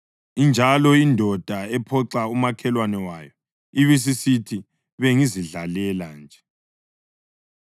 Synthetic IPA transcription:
ind͡ʒʱalɔindʱɔd̥ʱaɛpʰɔǀaumakʰɛlwanɛwajɔ | iβis̬isitʰi | βeŋiziɮalɛland͡ʒʱɛ

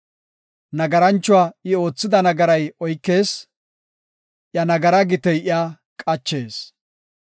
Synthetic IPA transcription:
nɐɡɐɾɐnt͡ʃːʊwaːʔɪo̞ːt͡sːɪd̪ɐnɐɡɐɾɐjɔjkːe̞ːs | ʔjɐnɐɡɐɾɐɡɪt̪ɛjʔɪaː | kʼɐt͡ʃːe̞ːs

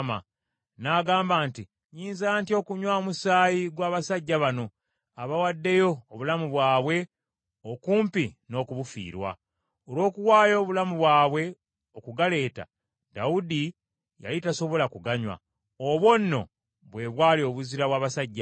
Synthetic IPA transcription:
ma̰ | naːɡaːmbaːnti | ɲiːnzantio̞kuɲwaomusaːjiɡwaːβasaɟːaβano̞ | aβawadːe̞jo̞ːβulamuβwaːβwe̞ | okuːmpino̞ːkuβufḭːɾwa̰ | olwo̞ːkuwaːjo̞ːβulamuβwaːβwe̞ | okuɡale̞ːta̰ | d̥audi | ja̰litaso̞βo̞lakuɡaɲwa̰ | oβwo̞nːo̞̰ | βwe̞ːβwaːlio̞βuziɾaβwaːβasaɟːa

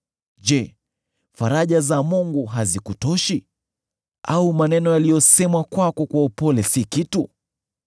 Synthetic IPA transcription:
d͡ʒɛ | faɾaʄazamuŋɡuɦazikutɔʃi | aumanɛnɔjalijɔsɛmakwakɔkwaupɔlɛsikitu

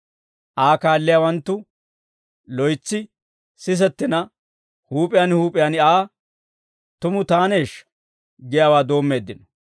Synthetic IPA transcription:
ʔaːkaːlːɪjawɐnt̪ːʊ | lɔjt͡sːɪ | sɪs̬ɛt̪ːɪnɐ | huːpʼɪjaːnhuːpʼɪjanɪaː | t̪ʊmʊt̪aːneːʃ | ɡɪjaːwaːd̪o̞ːmːe̞ːd̪ːɪnɔ

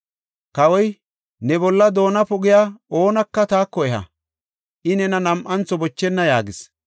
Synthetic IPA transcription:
kɐwɔj | nɛbɔlːɐd̪o̞ːnɐpʊɡɪjao̞ːnɐkːɐt̪aːkːɔɛhɐ̰ | ʔɪnɛnɐnɐmʔɐnt͡sɔbɔt͡ʃːɛnːɐjaːɡɪs

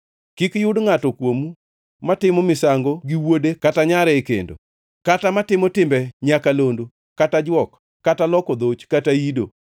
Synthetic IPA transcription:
kikjʊdŋatɔkwomu | matɪmɔmɪsaŋɡoɡiwodekataɲaɾɛkḛndo̰ | katamatɪmɔtɪmbɛɲakalondo | katad͡ʒwɔkː | atalɔkɔd̪ot͡ʃkataido̰

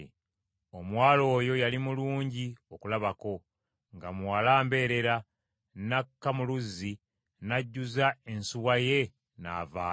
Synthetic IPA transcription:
o̞mwaːlo̞ːjo̞jalimuluːɲɟio̞kulaβako̞ | ŋɡamwalaːmbe̞ːɾe̞ɾa | nakːamuluzːi | naɟːuzaensuwaje̞ | na̰ːvaː

